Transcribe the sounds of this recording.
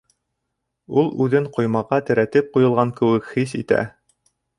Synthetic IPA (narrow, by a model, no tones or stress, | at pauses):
ulˠʉðɘɴqŏjmɑʁɑt̪ɘ̆ɾæt̪ɘp̚qujɤ̆lˠʁɑŋkɘ̆wɘkhisḭt̪æ̰